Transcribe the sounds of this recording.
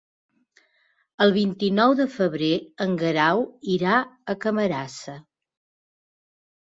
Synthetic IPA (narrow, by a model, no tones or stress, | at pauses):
əlˠβ̞int̪inɔwðəfəβ̞ɾeəŋɡəɾawiɾaəkəməɾasə